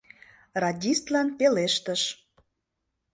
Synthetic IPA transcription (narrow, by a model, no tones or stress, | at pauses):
rɑdʲist̪lɑnpeleʃt̪əʃ